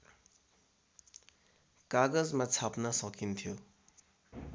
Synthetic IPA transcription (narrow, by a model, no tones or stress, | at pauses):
kaɡʌd͡zmat͡sʰapnʌsʌkint̪ʰjo